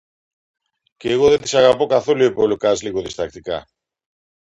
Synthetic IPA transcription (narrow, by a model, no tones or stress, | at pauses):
ceːɣo̞ðet̪isɐɣɐpo̞kɐθo̞luepolukɐzliɣoðist̪ɐk̚t̪ikɐ̰